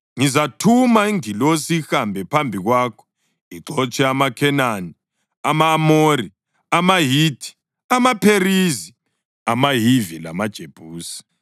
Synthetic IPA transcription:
ŋizatʰumaiŋilosixambʱɛpʰambʱiɣwaːkʰɔ̥ | iǁʱɔt͡ʃʼɛamakʰɛnani | amaːmori | amaɦiːtʰʼi̥ | amapʰerizi | amaɦivila̰mad̥ʒ̥ʱeb̥ʱuːsi̥

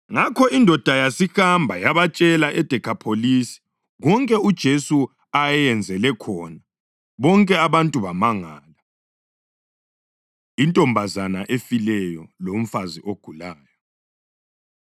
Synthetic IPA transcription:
ŋakʰɔindʱɔd̥ʱajasixambʱajaβat͡ʃʼɛlaʔɛd̥ʱɛkʰapʰolisi̥ | ɣɔŋkʼɛud̥ʒ̥ʱesu | ajɛjɛnd͡zʱɛlɛkʰɔna | βɔŋkʼɛaβantʼuβamaŋaːla | intʼɔmbʱazana̰ʔefilɛjɔlom̩faziʔoɡ̥ʱulaːjɔ

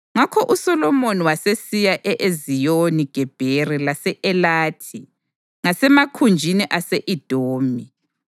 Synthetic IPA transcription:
ŋakʰɔʔusɔlɔmoniwasesijaʔɛʔezijoniɡ̥ʱɛb̥ʱerilasɛʔɛlaːtʰi | ŋasɛmakʰund͡ʒʱiniʔaseʔid̥ʱoːmi

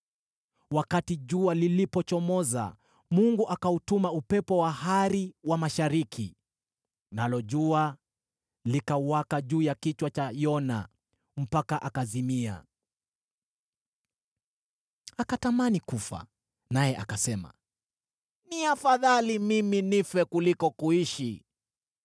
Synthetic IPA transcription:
wakatiʄualilipɔt͡ʃɔmɔza̰ | muŋɡuʔakautumaupɛpɔwaɦaɾiwamaʃaɾikʰḭ | nalɔʄua | likawakaʄuːjakit͡ʃwat͡ʃajɔna̰ | m̩pakaʔakazimia̰ | akatamanikufa̰ | najɛʔakasɛma̰ | niafaðalimiminifɛkulikɔkuiʃi

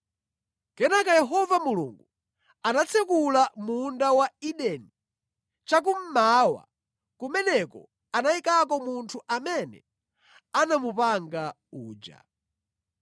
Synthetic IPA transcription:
kɛnakajɛɦɔvamulṵŋɡu | anat͡sʰɛkulamundawaiɗɛni | t͡ʃak̬um̩maːwa̰ | kumɛnɛkɔ̰ | anaikakɔmuntʰuʔamɛnɛ̰ | anamupaŋɡa | uːd͡ʒa̰

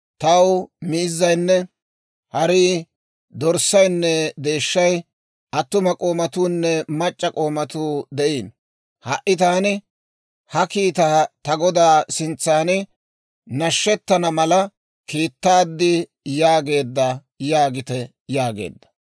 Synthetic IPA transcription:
t̪ɐwmɪɪzːɐjnːɛ | hɐɾiː | d̪ɔɾsɐjnːɛd̪e̞ːʃːɐj | ʔɐt̪ːʊmɐkʼoːmɐt̪uːnːɛmɐt͡ʃʼːɐkʼo̞ːmɐt̪uːd̪ɛʔiːn | hɐʔːɪt̪aːnɪ | hɐkiːt̪aːt̪ɐɡɔd̪aːsɪnt͡sːaːnɪ | nɐʃːɛt̪ːɐnɐmɐlɐ | kiːt̪ːaːd̪ːɪ | jaːɡe̞ːd̪ːɐ | jaːɡɪt̪ɛ | jaːɡḛːd̪ːɐ̥

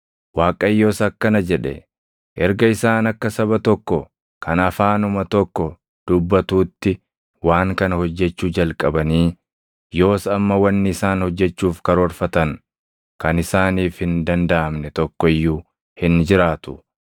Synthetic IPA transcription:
waːkʼɐjːo̞ːsɐkːɐnɐd͡ʒɛᶑɛ̰ | ʔɛɾɡɐɪsaːnɐkːɐsɐβɐt̪ɔkːɔ | kʰɐnɐfaːnʊmɐt̪ɔkːɔ | d̪̥ʊbːɐt̪uːt̪ːɪ | waːŋkɐnhɔd͡ʒːɛt͡ʃːuːd͡ʒɐlkʼɐbɐniː | jo̞ːsɐmːɐwɐnːɪɪsaːnhɔd͡ʒːɛt͡ʃːuːfkɐɾɔɾfɐt̪ɐŋ | kɐnɪsaːniːfhɪnd̪ɐnd̪ɐʔɐmnɛt̪ɔkːɔɪjːuː | hɪnd͡ʒɪɾaːt̪ʊ̥

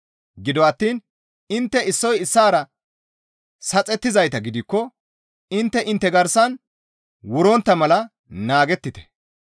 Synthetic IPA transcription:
ɡɪd̪ɔɐt̪ːiːn | ɪnt̪ːɛɪsːɔjɪsːaːɾɐ | sɐt͡sʼɛt̪ːɪzɐjt̪ɐɡɪd̪ɪkːɔ | ɪnt̪ːɛʔɪnt̪ːɛɡɐɾsɐn | wʊɾɔnt̪ːɐmɐlɐ | naːɡɛt̪ːɪt̪ɛ̥

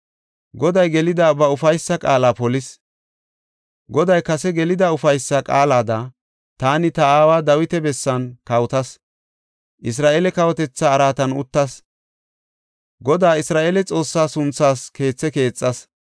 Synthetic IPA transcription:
ɡɔd̪ɐjɡɛlɪd̪abɐʊfɐjsːɐkʼaːlaːpɔlɪs | ɡɔd̪ɐjkɐsɛɡɛlɪd̪ɐʊfɐjsːɐkʼa̰ːlaːd̪ɐ | t̪aːnɪt̪ɐaːwaːd̪ɐwɪt̪ɛbɛsːɐnkɐwt̪ɐs | ʔɪs̬ɾaːʔeːlɛkɐwɔt̪ɛt͡sːaːɾaːt̪ɐnʊ̰t̪ːɐs | ɡɔd̪aːɪsɾaːʔeːlɛt͡sʼo̞ːsːaːsʊnt͡sːaːske̞ːt͡sːɛke̞ːt͡sʼːɐs

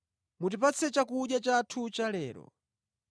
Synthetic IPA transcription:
mutipat͡sʰɛt͡ʃakuɗjat͡ʃatʰut͡ʃalɛ̰ːɾɔ̰

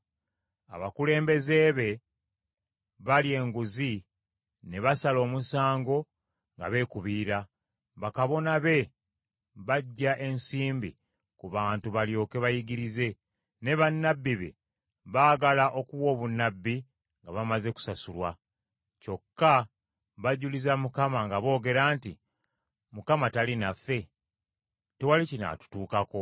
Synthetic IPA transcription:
a̰βakule̞ːmbe̞ze̞βe̞ | βalie̞ːŋɡuzi | ne̞βasalo̞ːmusaːŋɡo̞ | ŋɡa̰βe̞ːkuβiːɾa | βakaβo̞naβe̞ | βaɟːaʔe̞nsiːmbḭ | kuβaːntuβaljo̞ːke̞βajiɡiɾize̞ | ne̞βanːabːiβe̞̰ | βaːɡalaʔo̞kuβwo̞ːβunːabːi | ŋɡaβamaze̞ku̥sasulwa | co̞kːa | βaɟulizamukamaŋɡaβo̞ːɡe̞ɾaːntḭ | mukamatalinafe̞ | tewalicina̰tu̥tuːkako̞

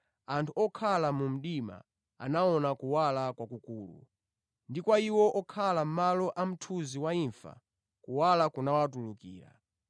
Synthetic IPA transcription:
antʰuɔkʰalamum̩ɗima̰ | a̰naɔnakuwalakwakukuːlṵ | ndikwaiwɔʔɔkʰalam̩malɔʔam̩tʰuziwaiɱfa̰ | kuwalakunawatulukḭːɾa̰

